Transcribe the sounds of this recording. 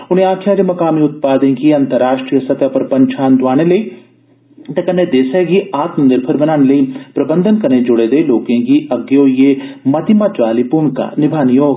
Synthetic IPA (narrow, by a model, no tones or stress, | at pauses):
ʊnẽaːkʰjaːd͡ʒemɐkaːmiʊt̪̚paːd̪ẽkiɐ̃nt̪əɾːaːʃʈɾijəsɐbjapɐɾpɐɲt͡ʃʰaːnd̪ʋaːñelɐi | t̪ɐkɐnːed̪eːsɐɡiaːt̪mɐ̃nd̪ɪɾpʰɐɾbɐnaːñelɐipɾɐbə̃nd̪ʱənkɐɾned͡ʒʊɽed̪eloːkẽkiʔɐɡjojemɐt̪imat͡ʃʋaːlipuːɳ̃ka̰ːnɪbʱaːnijoːɡ